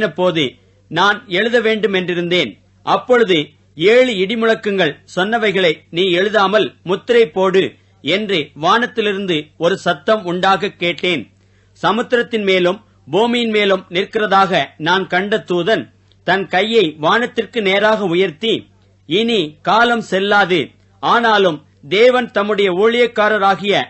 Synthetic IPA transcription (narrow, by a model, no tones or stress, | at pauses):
nɐpːoːðɯ | naːnɛɻɯðɐʋeːɳɖɯmɛndrɪɾɯnd̪eːn | ʔɐpːɔɻɯðɯ | eːɻɯɪɽɪmɯɻɐkːɯŋɡɐɭsɔnːɐʋɐɪɣɐɭɐɪniːɛɻɯðaːmɐlmʊt̪ːɪɾɐɪpːoːɽɯ | ɛndrɯʋaːnɐt̪ːɪlɪɾɯnd̪ɯɔɾɯsɐt̪ːɐmʊɳɖaːɣɐkːeːʈːeːn | sɐmɯt̪ːɪɾɐt̪ːɪnmeːlɯm | buːmɪjɪnmeːlɯmnɪrkːɪrɐðaːɣɐnaːnkɐɳɖɐt̪ːuːðɐn | t̪ɐnkɐjːɐɪʋaːnɐt̪ːɪrkɯneːɾaːɣɐʊjɐɾt̪i | ɪnikaːlɐmsɛlːaːðɯ | aːnaːlɯm | d̪eːʋɐnt̪ɐmːɯɽɐjɐuːɭɪjɐkːaːɾɐɾaːɣɪjɐ